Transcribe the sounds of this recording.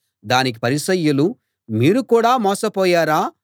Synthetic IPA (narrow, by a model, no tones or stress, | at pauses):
d̪aːnik̬i̥pɐɾisɐjːulu | miːɾukuːɽaːmɔːsɐpɔːjaːɾaː